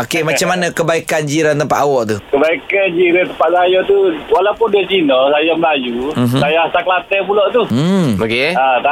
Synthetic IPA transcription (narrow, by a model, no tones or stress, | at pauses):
okemat͡ʃamːanãkəbaikand͡ʒiɾant̪əmpa̰ʔ̪awɔʔt̪ukəbaikand͡ʒiɾat̪əmpaʔ̚sajat̪uwalaupʊndiat͡ʃinɔsajaməlajuɦsajaasakəlat̪ɛpulɔʔt̪uokeat̪a